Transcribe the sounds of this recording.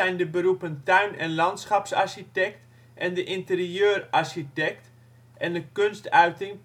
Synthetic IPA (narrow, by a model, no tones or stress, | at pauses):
ɛjndəbəɾupəntœɥnɛnlɑntsχɑpsa̰rɕitɛk̚t | ʔɛndəʔɪntəriøːrarsitɛkt | ʔɛndəkønstœɥtɪŋ